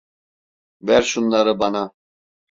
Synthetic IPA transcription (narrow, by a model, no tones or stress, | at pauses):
væɾʃunlˠaɾɯbana